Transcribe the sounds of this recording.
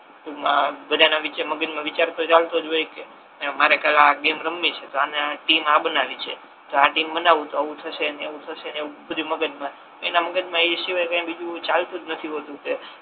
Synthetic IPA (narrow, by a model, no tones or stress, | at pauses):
t̪omabəd̪ʱanaʋit͡ʃaməɡəd͡ʒmãʋit͡ʃaɾt̪ot͡ʃalt̪od͡ʒoike | maɾekalaɡemɾəmːit͡ʃʰet̪oaneaʈimabənaʋit͡ʃʰe | t̪oaʈimbənaʋũt̪oəʋũt̪ʰəʃeneeʋũt̪ʰəʃeneũbɾiməɡəd͡ʒmã | t̪oenaməɡəd͡ʒmãeʃiʋajkãj̃bid͡ʒũt͡ʃalt̪ũd͡ʒnət̪ʰiɦot̪ũke